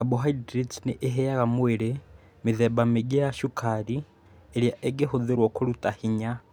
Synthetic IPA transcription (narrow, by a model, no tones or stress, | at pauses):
aboɦaidɾit͡siniʔeɦejaɣamweɾe | miðebameɡeaʃukʰaɾi | eɾjaʔeɡehuðiɾwokulutahiɲa